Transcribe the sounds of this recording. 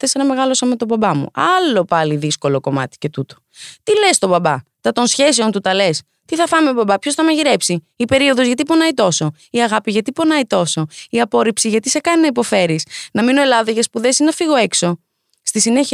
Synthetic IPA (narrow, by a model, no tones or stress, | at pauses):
θesenɐme̞ɣɐlo̞sɐmet̪o̞bɐbɐmṵɐlo̞pɐliðisko̞lo̞ko̞mɐ̰t̪i̥ce̞t̪ut̪o̞̥t̪ile̞st̪o̞bɐbɐt̪ɐt̪o̞nsçe̞seo̞nt̪ut̪ɐle̞s | t̪iθɐfɐnimebɐbɐpço̞sθɐmɐʝiɾe̞psiːpe̞ɾio̞ðo̞zʝɐt̪ipo̞nɐit̪o̞so | iɐɣɐpiʝɐt̪ipo̞nɐit̪o̞so̞iɐpo̞ɾipsiʝɐt̪isekɐninɐipo̞fe̞ɾisnɐmino̞e̞lɐðoʝɐspuðe̞siznɐfiɣo̞e̞kso̞ | st̪isineç